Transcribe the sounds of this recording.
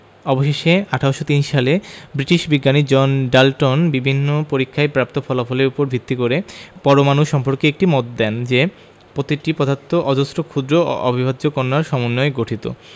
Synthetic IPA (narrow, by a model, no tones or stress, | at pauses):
ɔboʃeʃeaʈʰaoʃot̪inʃalebɾiʈiʃbiɡːanid͡ʑɔnɖalʈonbibʱinːopoɾikʰːaepɾap̚t̪ofɔlafɔleɾupoɾbʱit̪ːikoɾepɔɾomanuʃɔmpoɾkeek̚ʈimot̪d̪ɛnd͡ʑe | pɾot̪iʈipɾɔd̪ʱat̪ʰːoʔɔd̪osɾokʰud̪ɾoɔ̰bʱibʱad̪d͡ʑokoɾnaɾʃɔmonːoeɡoʈʰit̪o̰